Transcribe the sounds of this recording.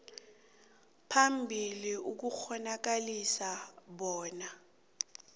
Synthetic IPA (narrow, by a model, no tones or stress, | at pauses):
pʰambʱiliuk̬uxɔnak̬alisaɓɔːna